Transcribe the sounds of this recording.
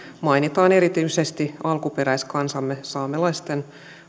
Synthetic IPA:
mɑjnit̪ɑːne̞ɾit̪ysest̪iɑlkupeɾæjskɑnsɑmːesɑːmelɑist̪en

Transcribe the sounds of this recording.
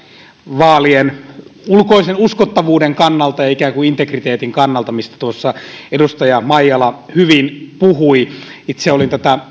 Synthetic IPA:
ʋɑːlienulkoisenuskot̪ːɑʋuːdeŋkɑnːɑlt̪ɑjɑikæːŋkuint̪ekrit̪eːt̪iŋkɑnːɑlt̪ɑmist̪æ̥t̪uosːɑedust̪ɑjɑmɑjːɑlɑhyʋinpuhuiit̪seolint̪æt̪æ

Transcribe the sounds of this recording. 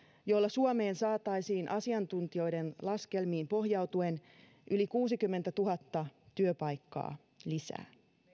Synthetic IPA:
jo̞lːɑsuome̞ːnsɑːt̪ɑjsiːnʔɑsiɑnt̪unt̪io̞jde̞nlɑske̞lmiːmpo̞ɦjɑwt̪ue̞n | ʔylikuːsikymːe̞nt̪æt̪uɦɑt̪ːɑt̪yøpɑjkːɑ̰ː | lisæ̰ː

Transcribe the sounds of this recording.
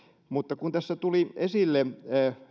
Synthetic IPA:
mut̪ːɑkunt̪æsːæt̪uliesilːe

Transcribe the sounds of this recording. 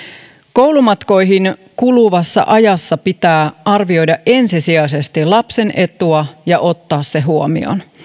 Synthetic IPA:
ko̞wlumɑt̪ko̞jɦiŋkuluʋɑsːɑ̰ʔɑjɑsːɑpit̪æːʔɑrʋio̞jdɑʔʔe̞nsisiɑse̞st̪ilɑpse̞nʔe̞t̪uɑjɑʔo̞t̪ːɑːsːe̞ɦuomḭo̰n

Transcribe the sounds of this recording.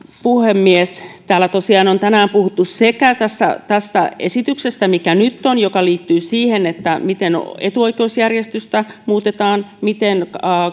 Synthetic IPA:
puhemːiest̪æːlːæt̪osiɑːnont̪ænæːmpuhut̪ːussekæt̪æsːæ̰t̪æst̪æ̰esit̪yksest̪æmikænyt̪ːonjokɑliːt̪ːyːsiːhenet̪ːæmit̪enet̪uo̞ike̞usjærjest̪yst̪æmuːt̪et̪ɑːnmit̪enː

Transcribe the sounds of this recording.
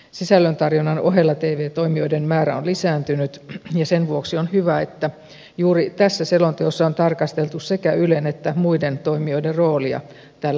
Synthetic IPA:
sisælːønt̪ɑrjonːɑnoɦelːɑt̪eːʋeːt̪oimio̞idemmæːɾæonlisæːnt̪ynyt̪jɑsenʋuoksionhyʋæet̪ːæ | juːɾit̪æsːæselont̪eosːɑont̪ɑrkɑst̪elt̪ussekæylenet̪ːæmuident̪oimioiderroːliɑ̰ | t̪æːlːæ

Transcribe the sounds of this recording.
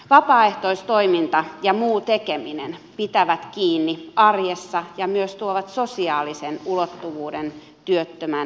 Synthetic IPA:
ʋɑpɑːeht̪oist̪oimint̪ɑjɑmuːt̪ekeminḛnpit̪æʋæt̪kiːnːiɑrjesːɑjɑmyøst̪uoʋɑt̪sosiɑːlisenulot̪ːuʋuːden | t̪yøt̪ːømæn

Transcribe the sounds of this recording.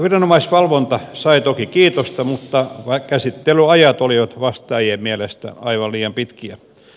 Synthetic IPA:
ʋirɑnomɑisʋɑlʋont̪ɑsɑit̪okikiːt̪ost̪ɑmut̪ːɑʋɑkæsit̪ːelyɑjɑt̪oliʋɑt̪ʋɑst̪ɑːijemmiælest̪æ̰ɑiʋɑlliːjɑmpit̪kiæ

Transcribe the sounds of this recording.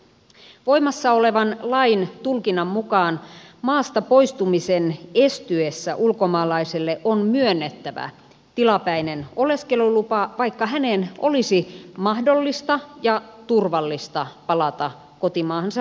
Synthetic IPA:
ʋo̞jmɑsːɑole̞ʋɑnlɑint̪ulkinːɑmːukɑːnmɑːst̪ɑpo̞ist̪umisenest̪yesːæʔulko̞mɑːlɑiselːeʔonmyønːet̪ːæʋæ̰ | t̪ilɑpæineno̞le̞ske̞lulupɑʋɑjkːɑɦænenʔo̞lisimɑhdo̞lːist̪ɑjɑt̪urʋɑlːist̪ɑpɑlɑt̪ɑ | ko̞t̪imɑːhɑnsɑ

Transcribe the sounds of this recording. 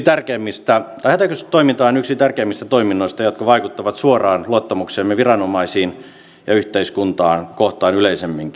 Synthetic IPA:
t̪ærkeːmːist̪æt̪ɑihæt̪ækøst̪ːoimint̪ɑːnyksit̪ærkeːmːist̪æt̪oiminːoist̪ɑjot̪kɑʋɑikut̪ːɑʋɑt̪suorɑːnluot̪ːɑmukseːmːeʋirɑnomɑisiːn | jɑyht̪eiskunt̪ɑːnkoht̪ɑːnyleisemːiŋki

